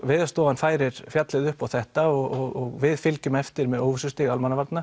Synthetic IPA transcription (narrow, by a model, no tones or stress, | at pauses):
vɪːðast̪ɔːanfaːjɾɪɾ̥fjat̪lɪðʏhpawθɛht̪aɔɣɔɣɔɣvɪðfɪlcʏmɛft̪ɪɾmɛðowvʏsʏst̪ɪɣalmanavaɾt̪na